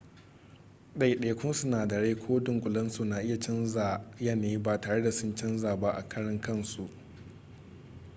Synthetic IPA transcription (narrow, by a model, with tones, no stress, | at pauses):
ɗa˦˨jɗe˨˦˨kʷʰʊ˦sʊ˦naː˨dɐ˨ɽeː˦kʷʰoː˦dʊ˨ŋkʷʼʊ˨lɐ˦nsu˦˨na˨ʔɪ˦ja˨t͡ʃɐ˦nza˨ja˦neː˨˦baː˦˨taː˨ɽe˦da˨sʊ˦nt͡ʃɐ˦nzaː˨ba˦ʔa̰˨kʰɐ˦ɽɐ˦ŋkɐ˦˨nsu˨ʔ